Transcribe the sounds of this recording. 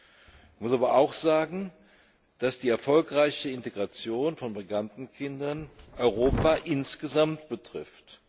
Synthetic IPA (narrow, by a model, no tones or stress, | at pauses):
manmʊsaːbɐʔaʊxz̥aːɡŋ̩ | d̥asd̥iːɛɐfɔlkʁaɪçəɪnteɡʁat͡sjoːnfɔnbʁiɡantn̩kʰɪndɐnʔɔʏʁ̞oːpaʔɪnsɡ̥əzamt̚b̥ətʁ̥ɪft